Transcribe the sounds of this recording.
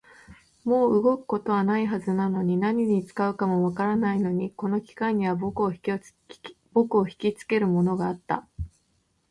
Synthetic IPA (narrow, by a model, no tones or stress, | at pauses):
mo̞ːɯ̟ɡo̞kɯ̟̥ko̞t̪o̞β̞anaiɦazɨnano̞ɲ̟inaɲ̟iɲ̟it͡sɨ̥kaɯ̟kamo̞βakaɾanaino̞ɲ̟iko̞no̞kʲi̥kaɲ̟ːiβ̞abokɯo | b̥o̞kɯ̟oçi̥kʲit͡sɨ̥ke̞ɾɯ̟mo̞no̞ɡaːt̪ːa̰